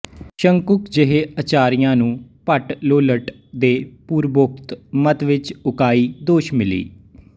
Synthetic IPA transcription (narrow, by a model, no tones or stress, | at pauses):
ʃəŋkʊkd͡ʒəɦeːət͡ʃaːɾijãːnũːpəʈloːləʈ | d̪eːpuːɾbʊk̚t̪mət̪ʋɪt͡ʃʊkaːiːd̪oːʃmɪlḭː